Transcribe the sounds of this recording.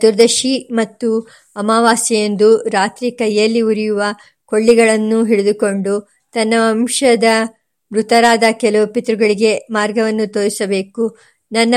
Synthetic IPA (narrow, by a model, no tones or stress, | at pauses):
d̪̥uɾd̪ɐʃimɐt̪ːu | ɐmaːʋaːsijend̪uɾaːt̪ɾikɐjːɐlːiuɾijuʋɐ | ko̞ɭːiɡɐɭɐnːuɦiɽud̪uko̞ɳɖu | t̪ɐnːɐːmʂɐd̪ɐ | bɾut̪ɐɾaːd̪ɐkɛlɐʋupit̪ɾuɡɐɭiɡe̞maːɾɡɐʋɐnːut̪oːɾisɐbe̞ːku | nɐnːɐ